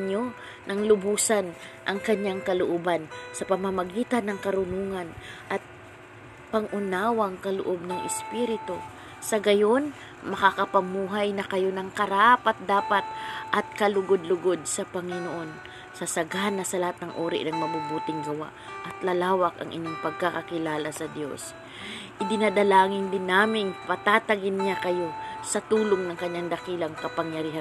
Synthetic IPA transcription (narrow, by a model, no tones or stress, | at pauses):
ɲo̞ | nɐŋlʊbuːsan | ʔɐŋkɐɲjaŋkɐlʊʔoːbansɐpɐmɐmɐɡiːt̪ɐnːɐŋkɐɾʊnuːŋanʔɐt̪̚ | pɐŋʔʊnaːwaŋkɐlʊ̰ʔob̚nɐŋʔɪspiɾɪt̪o | sɐɡɐjo̞n | mɐkakɐpɐmuːɦajnɐkɐjo̞nɐŋkɐɾapat̪̚d̪aːpat̪̚ʔɐt̪̚kɐlʊɡod̪̚lʊɡo̞d̪̚sɐpɐŋɪnoʔo̞n | sɐsɐɡanːɐsɐlɐhat̪̚nɐŋʔoːɾɪ̰ʔnɐŋmɐbubuːt̪ɪŋɡɐwa̰ʔ | ʔɐt̪lɐlaːwɐkɐ̰ŋʔɪ̰ɲoŋpɐɡ̚kakɐkɪlaːlɐsɐd̪jo̞̰s | ʔɪd̪ɪnad̪ɐlaːŋɪnd̪ɪnːaːmɪnpɐt̪at̪ɐɡɪnɲakɐjo̞sɐt̪uːloŋnɐŋkɐɲːaŋd̪ɐkiːlɐŋkɐpɐŋjɐɾiːha